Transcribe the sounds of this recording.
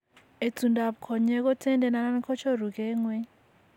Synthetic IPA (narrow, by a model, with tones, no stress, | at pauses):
e˨t͡sʰu˨ndʱa˨ɓu˨kʰɔ˨ɲɛ˦k̬ʼɔ˦tʰɛ˦ndʱɛ˨na˨na˦mi˦kʰɔ˦t͡ʃʰɔ˦ru˨k̬ʼɛːŋwɛ˦